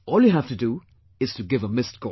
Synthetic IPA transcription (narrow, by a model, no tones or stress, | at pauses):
ɔːljuɦæftudu | ɪz̥tuɡɪvəmɪstɡo